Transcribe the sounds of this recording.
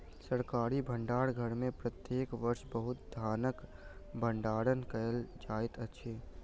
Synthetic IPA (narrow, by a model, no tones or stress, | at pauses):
səɾkaːɾibʱə̃ɳɖaːɽɡʱəɽmẽpɾət̪jeːkʋəɾʃbəɦʊt̪̚d̪ʱaːnək | bʱə̃ɳɖaːɽənkəəld͡ʒaːɪt̪ətːʃʰeː